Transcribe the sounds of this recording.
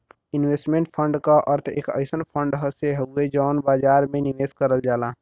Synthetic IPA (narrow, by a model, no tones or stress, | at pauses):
inwesʈmeɳʈpʰəɳɖkaʔəɾt̪ʰḛːkə̰ɪsənpʰəɳɖɦəseɦəued͡ʒəːnbad͡ʒaɾmeniʋeskəɾəld͡ʒaːla